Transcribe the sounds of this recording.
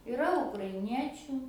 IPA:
ɪˈrɐ ʊkrɐɪˈnʲiɛt͡ʃʲʊ

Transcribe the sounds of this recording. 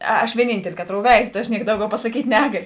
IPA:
ɐʃ ʋʲiɛˈnʲiːnʲtʲɛlʲɪ ˈkɑːˌtroːʊ ˈʋʲɛɪzoː tɐ ɐʃ ˈnʲiɛk ˈdɐʊˌɡʲɛʊ pɐsɐˈkʲiːtʲ ˈnʲæːɡɐlʲʊ

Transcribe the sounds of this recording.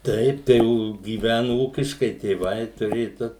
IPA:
ˈtɐɪp ˈtɐɪ ɡʲiːˈʋʲænʊ ˈuːkʲɪʃkɐɪ tʲeːˈʋɐɪ tʊˈrʲeːjʊ ˈdʊ

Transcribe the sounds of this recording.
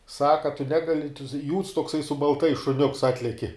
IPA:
ˈsɑːkɐ ɐ tʊ ˈnʲæːɡɐlʲɪ juːts toːkˈsɐɪ sʊ bɐlˠˈtɐɪs ʃʊˈnʲʊks ɐtʲˈlʲæːkʲɪ

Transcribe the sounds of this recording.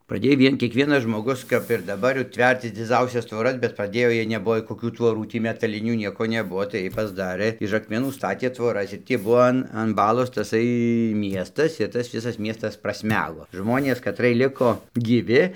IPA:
prɐˈdʲeːj ˈʋʲiɛn kʲiɛkˈʋʲiɛnɐs ʒmoːˈɡʊs kɐp ɪr dɐˈbɐr jɛʊ ˈtʲʋʲɛrʲt͡sʲɪs d͡zʲɪˈd͡zɐʊsʲɛs tʋoːˈrɐs bʲɛt prɐˈdʲeːjoː ˈjiɛj nʲɛˈbʊʋoː koːˈkʲuː tʋoːˈruː ˈtʲiː mʲɛtɐˈlʲɪnʲuː ˈnʲiɛkoː nʲɛˈbʊʋoː tɐɪ ˈjiɛj pɐzˈdɑːrɘ ɪʃ ɐkmʲɛˈnuː ˈstɑːtʲeː tʋoːˈrɐs ɪr tʲiː ˈbʊʋoː ɐn ɐn ˈbɑːlˠoːs tɐˈsɐɪ ˈmʲiɛstɐs ɪr ˈtɐs ˈʋʲɪsɐs ˈmʲiɛstɐs prɐsʲˈmʲæːɡoː ˈʒmoːnʲeːs kɐˈtrɨɜj ˈlʲɪkoː ɡʲiːˈʋʲɪ

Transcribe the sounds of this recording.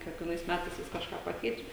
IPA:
kʲiɛkʋʲiɛˈnɐɪs ˈmʲætɐɪs ʋʲɪs kɐʃˈkɑː ˈpɑːkʲɛɪt͡ʃʲɛ

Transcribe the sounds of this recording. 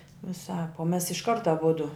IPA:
ʋʲɪˈsɑːp oː mʲɛs ɪʃˈkɐrt ɐˈbʊdʊ

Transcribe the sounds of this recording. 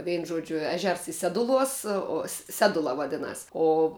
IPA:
ˈʋʲɛɪnʊ ˈʒuɔd͡ʒʲʊ ˈæːˌʒʲɛrs ɪ ˈsʲæːdʊˌlˠuɔs oː ˈsʲæːdʊlˠɐ ʋɐˈdʲɪnɐs oː

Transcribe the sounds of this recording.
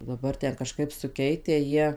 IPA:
dɐˈbɐr ˈtʲɛn kɐˈʃkɐɪp sʊˈkʲɛɪtʲæː ˈjiɛ

